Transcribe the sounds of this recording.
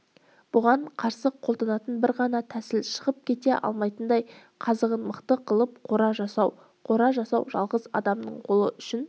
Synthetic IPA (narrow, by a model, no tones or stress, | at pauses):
b̥ʊʁɑɴqʰɑɾsəqʰo̞lˠd̪ɑnɑt̪ənbɪɾʁɑnɑt̪ʰæsɪlʃə̥ʁəp̚kʲʰe̞t̪e̞ʔɑ̰lˠmɑjt̪ənd̪ɑj | qʰɑzəʁənməqt̪əqʰəlˠəp̚qʰo̞ɾɑʒɑsɑw | qʰo̞ɾɑʒɑsɑwʒɑ̰lˠʁəzɑ̰d̪ɑmnə̰ɴqʰo̞lˠəʔʏʃɪn